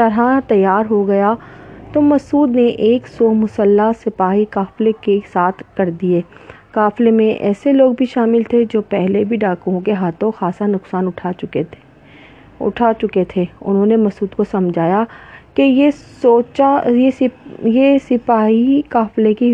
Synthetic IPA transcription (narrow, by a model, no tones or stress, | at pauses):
t̪ɐɾat̪ɐjːaːɾɦoɡɐjat̪omɐsuːd̪neʔeːksɔːmʊsəlːasɪpaːɦikaːflekesaːt̪ʰkɐɾd̪ieː | kaːflemẽʔɛ̰ːseloːɡ̚bʱiʃaːmɪlt̪ʰed͡ʒoːpɛɦlebʱiɖaːkoõkeɦaːt̪ʰõxaːsanʊksaːnʊʈʰaʊe | ʊ̰ʈʰat͡ʃʊket̪ʰeʊ̰nɦõːnemɐsuːd̪kosɐmd͡ʒʱaːjakeje | oːt͡ʃajejesɪpaːɦikaːfleki